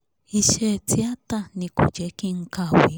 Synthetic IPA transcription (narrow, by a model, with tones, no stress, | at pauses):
i˦ʃɛ˦˨ti˦a˦ta˦˨ni˨kṵ˨d͡ʒɛ˨˦ki˦ŋ̩˦ka˦˨wi˨˦